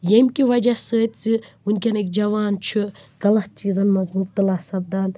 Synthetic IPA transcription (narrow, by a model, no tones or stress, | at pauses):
jemʲkʲiʋɐd͡ʒɐsəːt̪ʲt͡sɨ | unʲkʲɐnekd͡ʒɐʋaːnt͡ʃʰuɡɐlɐht͡ʃiːzɐnmɐzbuːb̚t̪ɨlɐsɐb̚d̪ɐn